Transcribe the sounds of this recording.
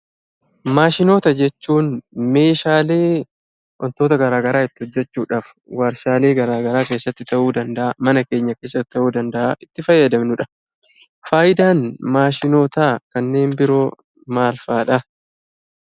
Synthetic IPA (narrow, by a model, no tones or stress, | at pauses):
maːʃɪno̞ːt̪ɐd͡ʒɛt͡ʃːuːnme̞ːʃaːle̞ː | ʔɔ̰nt̪oːt̪ɐɡɐɾaːɡɐɾaːɪt̪ːɪhɔd͡ʒːɛt͡ʃːuːᶑaːf | wɐɾsaːle̞ːɡɐɾaːɡɐɾaːke̞ːsːɐt̪ːɪt̪ɐʔuːd̪ɐnd̪ɐʔamɐnɐke̞ːɲːɐke̞ːsːɐt̪ːɪ̥t̪ɐʔuːd̪ɐnd̪ɐʔaʔɪt̪ːɪfɐjːɐd̪ɐmnʊᶑɐ̥ | faːjɪd̪aːnmaːʃɪno̞ːt̪aːkɐnːe̞ːmbɪɾo̞ː | maːlfaːᶑɐ